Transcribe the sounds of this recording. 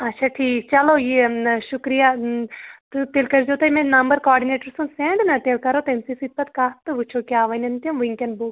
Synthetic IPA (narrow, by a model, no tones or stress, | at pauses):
ɐtːʃʰaːʈʰiːkt͡ʃɐloːjeʃʊkɾija | t̪ut̪eːlkɐɾd͡ʒoːt̪ɐmẽnɐmbəɾkaːɾɖineːʈəɾsũnsẽːɳɖnɐt̪eːlkɐɾot̪ɐmsisit̪̚pɐt̪kaːt̪ɨʋut͡ʃʰokjaːʋɐnɐnt̪omʋiŋkɐnbuːk